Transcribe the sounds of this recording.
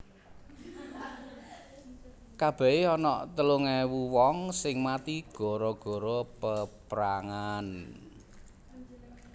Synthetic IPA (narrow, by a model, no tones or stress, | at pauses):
kab̥ɛ̤eɔnɔʔt̪əluŋɛwuwɔŋsɪŋmat̪iɡ̥ɔ̤ɾɔɡ̥ɔ̤ɾɔpəpɾaŋan